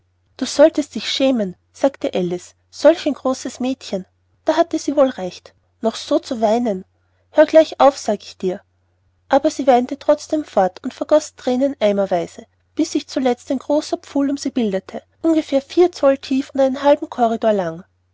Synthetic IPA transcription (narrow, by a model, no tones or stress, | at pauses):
d̥uːz̥ɔltəst̚d̥ɪçʃɛːmən | z̥aːktəʔɛlɪs | z̥ɔlçaɛɪnɡʁoːsəsmɛːtçən | d̥aːɦatəz̥iːvoːlʁɛçt | nɔχz̥oːt͡suvaɪnən | høːɐɡlaɪçaʊfsaːɡəɪçd̥iːɐ | ʔaːbɐziːvaɪntətʁ̥ɔt͡sd̥eːmfɔɐtʰʊntfɛɐɡ̥ɔstʁ̥ɛːnənʔaɪmɐvaɪzə | b̥ɪsɪçt͡sulɛt͡staɪnɡ̥ʁoːsɐpp͡fuːlʊmz̥iːbɪldətʰəʔʊnɡəfeːɐfiːɐt͡sɔltʰiːfʊntʔaɪnənɦalbm̩kʰɔʁidoːɐlaŋ